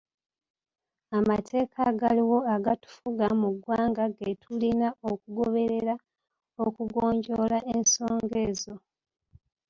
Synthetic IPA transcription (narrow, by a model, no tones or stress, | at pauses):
amatʰe̞ːkʰaɡaliwo̞aɡatu̥fuɡamuɡwaːŋɡaɡetʰulinaokuɡoβe̞ɾe̞ɾa | okuɡoːɲɟo̞laʔenso̞ːŋɡeːzo̞